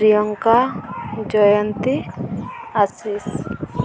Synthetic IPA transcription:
ɾijɔŋkad͡ʒɔjɔnt̪i | asis

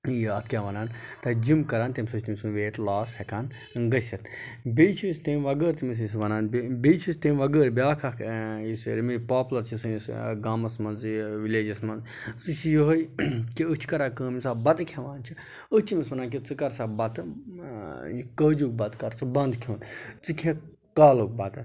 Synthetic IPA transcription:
jaːt̪̚ʰkʰʲeʋɐnaːnt̪ɐd͡ʒimkɐɾaːnt̪imʲsɨt͡ʃʰt̪imisunʋeːʈlaːshɐkaːn | ɡɐsʲɐt̪biːt͡ʃʰisʲt̪eːmʋɐɡəːɾt̪imis̬is̬ʋɐnaːnbbiːt͡ʃʰisʲt̪eːmʋɐɡəːɾbʲaːkʰaisɾimipaːplɐɾt͡ʃʰisunisɡaːmɐsmɐnzʋileːd͡ʒɐsmɐnz | sɨt͡ʃʰijoɦɐjkʲiɨt͡ʃʰi̥kɐɾaːkəːmisaːbɐt̪ɨkʰẽʋaːnt͡ʃʰi | ət͡ʃʰimisʋɐnaːnk̬ʲit͡sɨkɐɾsaːbɐt̪ | kəːd͡ʒuk̚bɐt̪kɐɾt͡sɨbɐnd̪kʰoːnt͡sɨkʲʰẽ | kaːlok̚bɐt̪

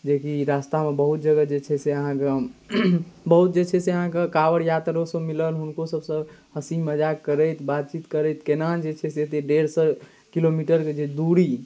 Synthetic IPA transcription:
d͡ʒekiɾast̪amebəɦut̪̚d͡ʒəɡəd͡ʒet͡ʃʰɛseəɦãke | bəɦut̪̚d͡ʒet͡ʃʰɛseəɦãkekaʋəɾjat̪ɾosə̃miləlɦunkosəbsə̃həsiməd͡ʒakkːəɾəjt̪bat̪̚t͡ʃit̪kəɾət̪kenad͡ʒet͡ʃʰɛset̪eɖeɽsə | kilomiʈəɾked͡ʒed̪uɽi

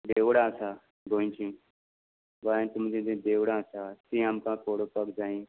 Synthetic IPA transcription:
ɖeːʋɽãːsaː | ɡoːĩːt͡ʃʰĩː | ʋaːẽːt̪ʊmd͡ʒĩːd̪ẽːd̪eːʋɽãːsaːt̪ĩːamkãːkoːɽoːpəkd͡ʒaːĩː

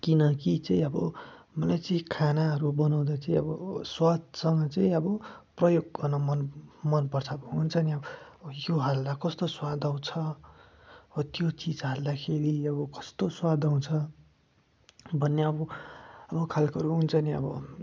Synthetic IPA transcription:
kinʌkit͡sʌĩʌbʌ | mʌlajt͡sʌĩkʰanaɦʌɾubʌnaw̃d̪at͡saĩʌbʌswad̪̚sʌŋɡʌt͡saĩʌbʌprʌjoɡ̚kʌnʌmʌnmʌnpʌrt͡sʰʌbʌɦunt͡sʰʌniʌjoɦalːakʌst̪oswad̪aw̃t͡sʰʌ | ʌbʌt̪jot͡sid͡zɦald̪akʰeɾiʌbʌkʌ̥st̪oswad̪ʱaw̃t͡sʰʌ | bʱʌnːeʌbʌʌbʌkʰalkʌɾuɦunt͡sʰʌniʌ̰bʌ̰

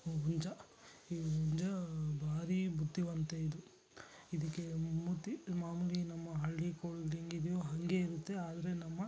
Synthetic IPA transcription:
uɲd͡ʒɐ | iuɲd͡ʒɐbʱaːɾibud̪ːiʋɐnt̪eid̪u | id̪ikːe̞mut̪ːimaːmulinɐmːɐɦɐɭːikoɭliŋɡid̪joːɦɐŋɡe̞iɾut̪ːe̞aːd̪ɐɾe̞nɐmːɐ

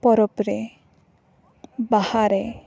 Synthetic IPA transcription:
pɔɾɔpɾe | bahaɾe

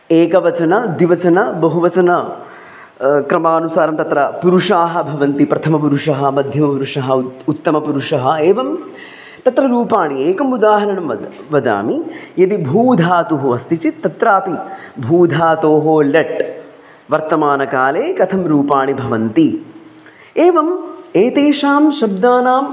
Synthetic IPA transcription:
eːkɐʋɐt͡ʃɐnɐd̪ʋiʋɐt͡ʃɐnɐbɐɦuʋɐt͡ʃɐnɐ | kɾɐmaːnusaːɾɐmt̪ɐt̪ɾɐpuɾuʂaːɦɐ̆bʱɐʋɐnt̪ipɾɐt̪ʰɐmɐp̬uɾuʂɐɦɐmɐd̪ʱjɐmɐpuɾuʂɐɦɐut̪ːɐmɐpuɾuʂɐɦɐeːʋɐm | t̪ɐt̪ɾɐɾuːpaːɳieːkɐmud̪aːɦɐɾɐɳɐmɐ | ʋɐd̪a̰ːmijɐd̪ibʱuːd̪ʱaːt̪uɦoɐst̪it͡ʃit̪ːɐt̪ɾaːpibʱuːd̪ʱaːt̪oːɦoːlɐʈ | ʋɐɾt̪ɐmaːnɐkaːleːkɐt̪ʰɐmɾuːpaːɳibʱɐʋɐnt̪i | eːʋɐmeːt̪eːʃaːmʃɐb̚d̪aːnaːm

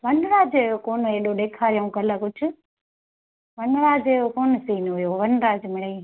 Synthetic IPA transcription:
ʋɐnʊɾaːd͡ʒʊjokoːnɦeːɗoɗeːkʰaːɾijõkɐləkʊd͡ʒʰʱʊ̆ | ʋɐnɾaːd͡ʒejokoːnəsiːnɦʊjoʋɐnɾaːd͡ʒmɪɽ̤eiː

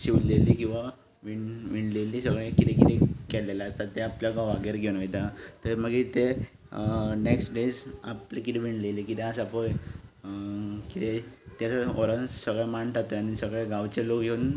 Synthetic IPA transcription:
ɕiʋllelikĩw̃ʋa | ʋiɳʋiɳlelisəɡɭẽkit̪ɛkit̪ekɛɽlelaəst̪at̪ːeapljaɡaʋaɡeɾɡʱenʋejt̪at̪əɾməɡit̪e | neksʈɖed͡za̰plekit̪ẽʋiɳɖlelikit̪ẽasapəj | kit̪et̪jat͡saoɾənsəɡɭemaɳʈʰat̪əañisəɡɭeɡaʋt͡ɕelokɡʱeun

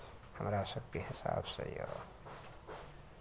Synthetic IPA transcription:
həmɾasəkt̪ihisa̰bsə̰jo̰

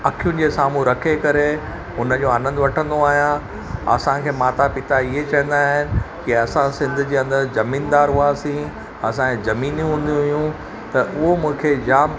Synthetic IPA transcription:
ɐkʰijʊnɪ̆d͡ʑeːsaːmũɾɐkʰekɐɾe | ʊnəd͡ʑoːaːnə̃nd̪ʊʋɐʈʰə̃nd̪oaːɦijã | ɐ̰sãkʰeːmaːt̪apɪt̪aiɦet͡ɕɐɦə̃nd̪aːɦɪnɪ̆kiɐsãsɪ̃nd̪ʱʊ̆d͡ʑeːɐ̃nd̪əɾzɐmĩːnd̪aːɾɦʊaːsĩ | ɐsãkẽzɐmiːnjũɦũːnd̪iɦʊjũ | t̪ɐʔʊɦomũːkʰed͡ʑaːm

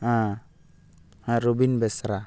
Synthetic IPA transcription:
a | aɾubinbɛsɾa

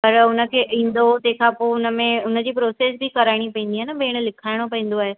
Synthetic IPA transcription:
pɐɾʊnə̆kʰeːʔĩːn̆d̪ot̪ɐ̃ɦkʰãːpoːʊnəmẽʊnə̆d͡ʑiːpɾoːseːsbʱikɐɾaːɪɽ̃ipɐ̃ĩːn̆d̪iɦaːnəbʱeːɽ̃lɪkʰaːɪɽ̃opɐ̃ĩːn̆d̪oaːɦeː

